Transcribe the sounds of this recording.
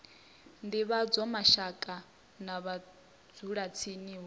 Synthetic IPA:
ndiβad͡zɔmaʃakʼa | naβa | d͡zuɺat͡sʰiniɦɔ

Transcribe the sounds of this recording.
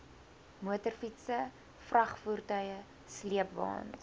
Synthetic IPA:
muətərfitsə | frɐχfurtœjə | sliəpvɑ̰ːn

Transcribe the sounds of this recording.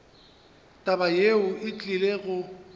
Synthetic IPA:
tʼabajeʊɪt͡ɬʼileɣʊ

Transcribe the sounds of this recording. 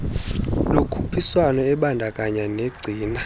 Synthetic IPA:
lokʰu̥pʰiswanɔɛɓandʱakʼaɲaneɡ͡ǀʱiːna

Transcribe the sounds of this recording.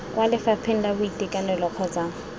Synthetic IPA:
wʔalɪfapʰɪn̩labʊitʼekʼanɛlɔq͡χʰɔt͡saːŋ̩

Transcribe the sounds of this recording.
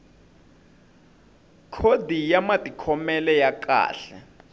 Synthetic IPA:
kʰodʱijamatʼikʰɔmɛlɛjakʼa̰ːɬɛ̰

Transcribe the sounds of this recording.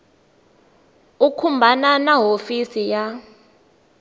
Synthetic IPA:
ukʰumbʱananaɦofisija

